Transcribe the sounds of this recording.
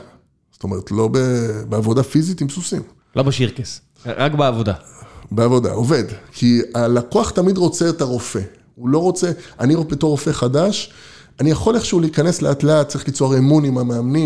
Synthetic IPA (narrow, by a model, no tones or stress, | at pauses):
zo̥to̞me̞ʁetlo̞bebeavo̞dafizitimpsusim | lobeʃiʁkes | ʁakbeavoda̰beavo̞da̰o̞ve̞dkʰialakoaχtamidʁo̞t͡seːtaʁo̞fe̞ | ulo̞ʁo̞t͡seaniʁofebetoʁo̞fe̞χadaʃ | anijaχo̞leχʃeuliikane̞sleatleat̚t͡saʁiχlit͡soaʁemunimameamni